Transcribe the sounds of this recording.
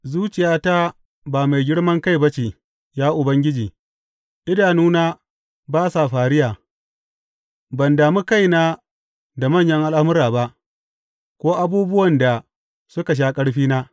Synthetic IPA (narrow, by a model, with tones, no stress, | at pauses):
zuː˦t͡ʃɪ˨jaː˦ta˦ | baː˨ma˨jɡʲɪ˦ɽmɐ˦ŋka˦˨jbɐ˦t͡ʃe˨ | jaː˦ʔʊ˨bɐ˦ŋɡʲɪ˦d͡ʒiː˨ | ʔɪ˦daː˨nuː˦naː˦ | baː˦sa˨ɸaː˨ɾɪ˦jaː˨ | bɐ˨ndaː˨mu˦ka˦jnaː˦ | da˨mɐ˦ɲjɐ˦ŋʔa˦lʔa˦mʊ˦ɾaː˨ba˦ʔ | kʷoː˦ʔa˦buː˦bʊ˦wɐ˨nda˨ | sʊ˦ka˨ʃ̬aː˦kʼɐ˦ɽɸiː˦naː˦